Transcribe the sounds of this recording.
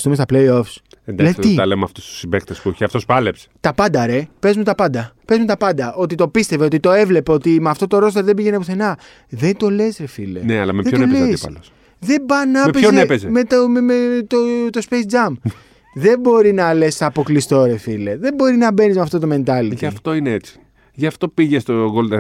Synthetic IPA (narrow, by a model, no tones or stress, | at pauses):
st̪ume̞st̪ɐplejo̞fs | end̪aɐsit̪ɐlemɐft̪ust̪u̥sibekt̪espueçiɐft̪ospɐlepse̥t̪ɐpɐnd̪ɐɾe̞pe̞zmut̪ɐpɐnd̪ɐpe̞zmut̪ɐpɐnd̪ɐʔo̞t̪it̪o̞pist̪e̞ve̞o̞t̪it̪o̞e̞vle̞peo̞t̪imeɐft̪o̞t̪o̞ɾo̞st̪eɾðe̞biʝenepuθe̞nɐ | ðe̞nt̪o̞le̞sɾefilḛneɐ̰lɐmeðeoleisɐ̰l | ðe̞bɐnɐmepeçozepezemet̪et̪ot̪ospesd͡zɐm | ðe̞bo̞ɾinɐlest̪ɐpo̞klist̪o̞ɾe̞fileðe̞bo̞ɾinɐbe̞nizmɐft̪o̞t̪̬ome̞nt̪ɐliʝɐft̪o̞ineet͡si̥ | ʝɐft̪o̞piʝest̪oɣold̪e